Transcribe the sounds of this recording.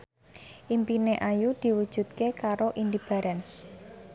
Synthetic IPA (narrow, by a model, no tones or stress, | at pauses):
ʔimpineʔajud̪̥i̤wud̥ʒ̥ṳt̪̚kekaɾoʔindib̥aɾʔɛns